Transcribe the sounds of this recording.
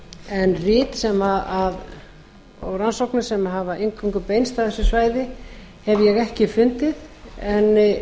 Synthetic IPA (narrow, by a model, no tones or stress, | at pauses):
ɛnrɪːt̪sɛmaað | ɔ̰wransowknʏsɛmaɦavaʔejŋkʰuŋkʏpejnst̪avθɛsːʏsvaːjðɪ | hɛvjɛɣɛhcɪfʏnt̪ɪðɛnː